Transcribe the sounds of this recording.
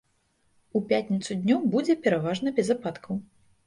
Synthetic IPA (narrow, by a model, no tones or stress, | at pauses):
upʲat̪ʲnʲit̪sud̪ʲnʲɔwbud͡zʲɛpʲɛɾavaʐnɐbʲɛzapat̪kɐw